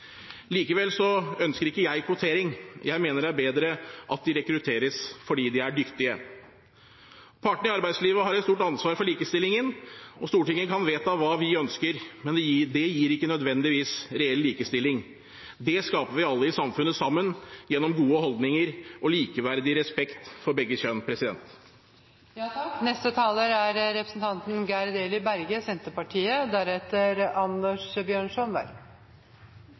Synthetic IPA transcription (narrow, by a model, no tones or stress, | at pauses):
liːkəʋɛlsɔœnskəɾɪkːəjæɪkʰʋʊt̪ʰeːɾɪŋjʔæɪmeːnəɾæɾbeːd̪ɾəʔɑt̪̚d̪ɪɾɛkɾʉt̪ʰeːɾəsfɔɖiːd̪ɪæɖʏkt̪ɪə | pʰɑʈɳ̩ɪɑɾbæɪd̪sliːʋəɦɑɾɛt̪st̪uːʈɑnsʋɑːɾfɔɭiːkəst̪ɪlɪŋənɔst̪uːʈɪŋːənkʰɑnʋeːt̪ɑʋɑːʋɪœnskəɾmɛnd̪ɛd̪ɛjiːɾɪkːənœd̪ʋɛnd̪ɪʋiːsɾɛɛlːiːkəst̪ɪlːɪŋ | d̪ɛskɑːpəʋɪɑlːəɪsɑmfʉnːəsɑmːənjɛnːɔmɡuːəhɔld̪nɪŋəɾʔɔliːkəʋæɾd̪ɪɾɛspɛkt̪fɔɾbɛɡːəçœnpʰɾɛsɪd̪ɛ̰nt̪ | jnɛst̪ət̪ʰɑːləɾæɾɾɛpɾəsn̩t̪ʰɑnt̪n̩ɡæɾd̪eːlɪbæɾɡəsɛnt̪əpɑʈʰiːəd̪æɾɛt̪əɾɑnd̪əʂbjøːɳʂɔnʋæ̰l